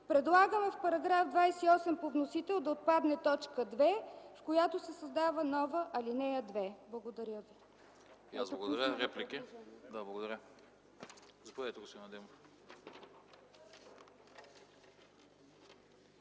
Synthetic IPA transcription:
pɾɛd̪lˠaɡəmɛfpɐɾɐɡɾafd̪vajsiɔsɛmpovnosit̪ɛlˠd̪ɐot̪̚pad̪nɛt̪ɔt͡ʃkəd̪vɛfkojat̪osɛsɐzd̪avənɔvəʔɐlinɛjəd̪vɛblˠɐɡod̪ɐɾʲjəvi | ja̰zbɐɡod̪ɐɾʲjəɾɛplikid̪ablˠɡod̪ɐɾʲə | zɐpoɛɛt̪oɡosnɐd̪ɛm

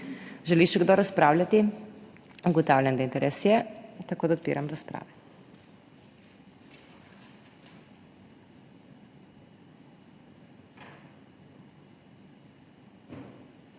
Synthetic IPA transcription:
ʒɛliʃɛɡd̪ɔɾaspɾaːwljʲat̪i | uɡɔt̪awlʲjʲand̪aint̪ɛɾʔɛsjɛt̪ɐkoːd̪aot̪pḭːɾamɾaspɾa̰ːʋɛ

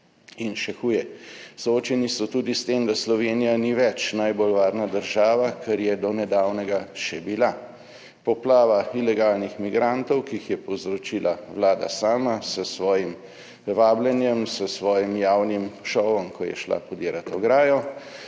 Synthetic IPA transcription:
inʃɛxuːjɛsɔoːt͡ʃɛnisɔt̪uːd̪ist̪emd̪aslɔʋeːnijaniʋɛt͡ʃnajbolʋaːɾnad̪əɾʒaːʋakɛɾjɛd̪ɔnɛd̪aːwnɛɡaʃɛbila | pɔplaːʋailɛɡaːlnixmiɡɾant̪ɔwkiixjɛpɔwzɾɔt͡ʃiːlʔaʋlaːd̪a̰saːmasəsʋɔːjim | ʋaːblɛnjɛmsəsʋɔːjimjaːwnimʃɔʋɔmkʰɔjɛ̰ʃla̰pɔd̪eːɾat̪ɔɡɾaːjɔ

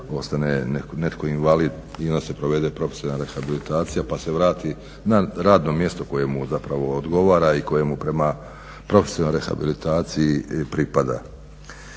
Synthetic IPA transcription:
o̞st̪ane̞nekone̞t̪ko̞inʋalid̪ | io̞nd̪ase̞pɾoʋe̞d̪e̞pɾo̞fesinaɾexabilit̪aːt̪sijapase̞ʋɾaːt̪i | naɾaːd̪no̞mje̞st̪o̞ko̞je̞muzapɾaʋo̞ːd̪ɡo̞ʋaːɾaiko̞je̞mupɾe̞ma | pɾo̞fesinoɾexa̰bilit̪aːt̪sijipɾipad̪a̰

